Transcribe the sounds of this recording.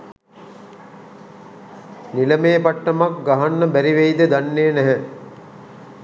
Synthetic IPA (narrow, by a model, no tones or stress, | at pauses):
nilɐmeːpaʈːɐmakɡaɦɐnːɐbæɾiʋejd̪əd̪anːeːnæɦɛ